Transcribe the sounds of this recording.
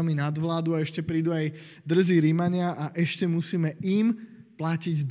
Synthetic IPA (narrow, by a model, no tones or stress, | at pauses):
minad̪ʋlaːd̪uaɛʃcɛpɾiːd̪uaj | d̪r̩ziːɾimaɲɪaʔaʔɛʃcɛmusiːmɛiːm | placiɟd̪